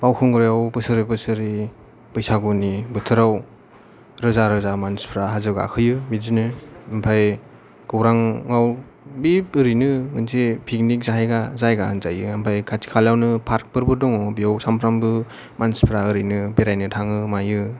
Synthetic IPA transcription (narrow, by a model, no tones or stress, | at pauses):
b̥awkʰɯŋɡɾjawbɯsɯɾibɯsɯɾi | bɯjsaɡunibɯtʰɯɾaw | ɾɯzaɾɯzamanspʰɾaɦazɯɡa̰kʰɯjɯbizinɯɯmpʰaj | ɡ̥ɯwɾaŋːaw | bipɯɾinɯŋɯnsepʰik̚nik̚zaɦajɡazajɡahanzajɯɯmpʰajkʰatʰi̥kʰalawnɯpʰaɾk̚bɯɾbɯdɔŋɔbijawsampʰɾambɯ | manspʰɾaɯɾinɯbeɾajnɯtʰaŋɯmajɯ